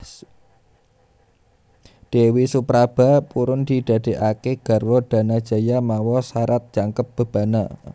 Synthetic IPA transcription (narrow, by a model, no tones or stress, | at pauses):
d̪̥ewisupɾab̥a̤puɾʊnd̪̥id̥̪a̤d̪̥e̤ʔakeɡ̥a̤rwɔd̪̥a̤nad̥ʒ̥a̤jamawɔsaɾat̪̚d̥ʒ̥aŋkəp̚b̥a̤b̥a̤na̰